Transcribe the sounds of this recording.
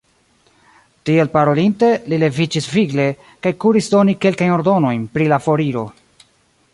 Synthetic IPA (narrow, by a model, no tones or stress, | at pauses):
tie̞lpaɾo̞linte̞lile̞vid͡ʒisviɡle̞ | kajkuɾisdo̞nike̞lkajno̞ɾdo̞no̞jnpɾilafo̞ɾiɾo̞